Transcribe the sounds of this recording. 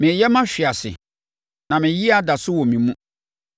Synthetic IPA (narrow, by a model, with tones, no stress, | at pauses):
mɪ̃˨jɛ˦mã˦ɕᶣɪ˨a˨sɪ̰˨ | nã˨mɪ̃˨ji˦a˦˨da˨sʊ˦wɔ˨mĩ˨mũ˦